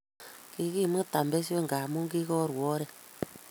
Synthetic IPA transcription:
ki˦ki˦˨mɨ˦ta˨mbɛ˦s̬jo˦ŋɡa˨mu˦ŋɡi˦kɔ˦ɾwɔ˦ɾɛ˦

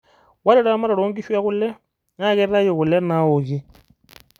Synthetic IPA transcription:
wa˦ɾe˦˨ɾa˦ma˦ɾa˨ɾoː˦ŋɡi˦ʃwa˦ɣu˦le˦ | ŋa˦ɣe˦ɾa˦jo˨ɣu˨le˦na˨˦o˨ɣi˦

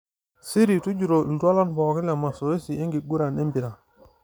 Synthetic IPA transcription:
si˦ɾi˨tu˦d͡ʒu˨ɾo˨da˦la˦nbɔ˨ki˦la˨ma˨so˨e˦si˨e˦ŋɡi˨ɡu˦ɾa˨ne˦mbi˨ɾa˨

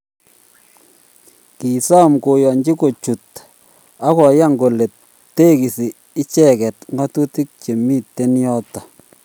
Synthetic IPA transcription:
ki˨sɔ˦mko˨jɔ˨ɲd͡ʒi˦ko˨t͡ʃu˨t | a˦kɔ˨˦ja˦˨ŋɡo˨le˨t | tːe˦ki˨si˨ | ɪ˦t͡ʃɛ˦˨kɛ˨tŋɡa˦tu˦ti˦k̚t͡ʃe˨mi˦tːe˦njɔ˦tːa˨

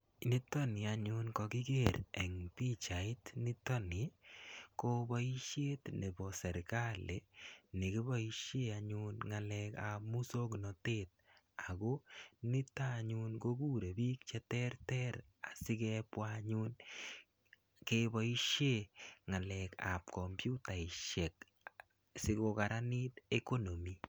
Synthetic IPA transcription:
ni˦tɔ˦nɪ˨a˨ɲʊ˦nkɔ˧ki˦ɡe˦˨ɾɛ˨ŋpi˦t͡ʃa˨ɪ˦tnɪ˦tɔ˦nɪ˨ko˦bɔ˦i˦ʃje˦tne˨bɔ˨sɛ˨ɾka˦le˨nɪ˨ki˦bɔ˦i˦ʃe˦a˨ɲʊnŋa˨lɛ˧ka̰˨mu˦so˦knɔ˨te˦t̪̚ | a˨ɡo˦nɪ˦ta˦ɲu˦nɡo˦ɡu˦ɾe˨bi˦k̚t͡ʃɛ˦tɛ˦rtɛ˦ɾ | a˨sɪ˦kɛ˦pwaɲu˦n | kebɔ˦i˦ʃe˦ŋa˨lɛ˨ka̰˨p̚kɔ˨mpju˦ta˨i˨ʃɛ˨k̚ | sɪ˦ko˧ka˨ɾa˦ni˦t̪e˦ko˦no˨mi˨

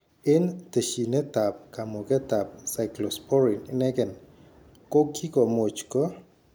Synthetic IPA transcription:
ɪ˦nt̪e˨ʃi˨nɛ˦t̪a˨p̚ka˨mo˨kɛ˦t̪a˨p̚sa˨jklɔspɔ˦ɾi˨nɪnɛ˦ɡɛ˨n | ko˦kʰi˦kɔ˨mo˨t͡ʃkɔ˦

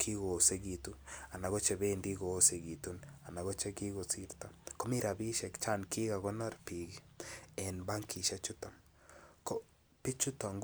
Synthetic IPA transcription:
kʰi˦ɣo˨se˦ɡi˨tu˦a˨na˨ɣɔ˦t͡ʃɛ˨be˦ndi˦ɡo˨˦se˨ɡi˨tu˦na˨na˨ɣɔ˦t͡ʃɛ˦ki˦ɣo˨si˦ɾta˨ko˦mi˦ɾa˨bi˦ʃɛ˨kt͡ʃa˦nkʰi˦ɣa˨ɣɔ˦na˦ɾpi˨ɡi˦ɛ˨nba˦ŋkʰi˨ʃa˦t͡ʃʊ˦ta˨ | kɔ˦ | pɪ˦t͡ʃu˦ta˨ŋɡ

